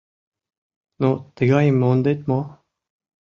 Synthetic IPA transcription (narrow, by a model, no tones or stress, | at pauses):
not̪eɡaimːond̪et̪mo